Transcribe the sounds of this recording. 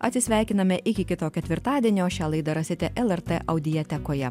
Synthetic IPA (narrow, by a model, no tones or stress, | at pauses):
ɐt̪ʲsʲɪsʲʋʲæˑɪkʲɪnɐmʲɛʔɪkʲɪkʲɪt̪oːkʲɛt̪ʲʋʲɪɾt̪ɑːd̪ʲiɛnʲoːʃʲæːlˠɐɪd̪ɐɾɐsʲɪt̪ʲɛʔɛlˠɛɾt̪ɛʔɐʊd̪ʲɪjɛt̪ʲɛkoːjɛ